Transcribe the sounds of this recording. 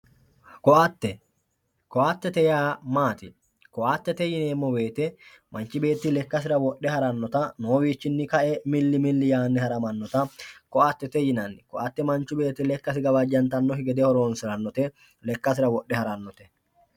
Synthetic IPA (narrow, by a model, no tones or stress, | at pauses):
kɔʔɐt̪ːɛ | kɔʔat̪ːɛt̪ɛjaːmaːt̪ɪ | kɔʔaːt̪ːɛt̪ɛjɪneːmːɔbe̞ːt̪ɛ | mɐnt͡ʃːɪbe̞ːt̪ːɪlɛkːɐs̬ɪɾɐwɔɗːɛhɐɾɐnːɔt̪ɐnoːwiːt͡ʃːɪnːɪkɐʔɛmɪlːɪmɪlːɪjaːnːɪhɐɾɐmɐnːɔt̪ɐkɔʔat̪ːɛt̪ɛjɪnɐnːɪkɔʔɐt̪ːɛmɐnt͡ʃːʊbe̞ːt̪ːɪlɛkːɐsɪɡɐbɐd͡ʒːɐnt̪ɐnːɔhɪɡɛd̪ɛhɔɾo̞ːnsɪɾɐnːɔt̪ɛ | lɛkːɐs̬ɪɾɐwɔɗːɛhɐɾɐnːɔt̪ɛ̥